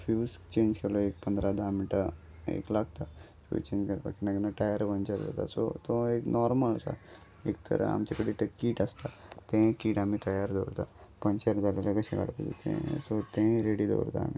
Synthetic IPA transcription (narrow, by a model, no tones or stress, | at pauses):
fjuːst͡ʃẽːnd͡ʒkeloeːk̚pɐnd̪ɾad̪ʱamiʈə | ḛːklak̚t̪a | fṵt͡ʃẽːɲd͡ʒkɐɾpa̰kinaɡinaʈajəɾʋənt͡ʃəɾd͡za̰t̪a̰so̰t̪oeknɔːɾməlɐsa̰ | ek̚t̪ʰɐ̰ɾʔa̰a̰mt͡ʃekəɽiʈɐkːiːʈɐst̪at̪ẽkiːʈaːmiʈajəɾd̪o̰ːɾt̪apə̃ɲt͡ʃəɾd̪alelɐɡəseka̰ɽputot̪ḛ̃sot̪ẽɾeɽid̪o̰ɾt̪a̰ːmi